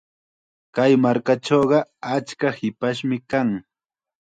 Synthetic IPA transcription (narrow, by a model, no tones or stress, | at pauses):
kajmaɾkaʈ͡ʂoːɢɑat͡ʃkahɪpaʃ̬mɪkaŋ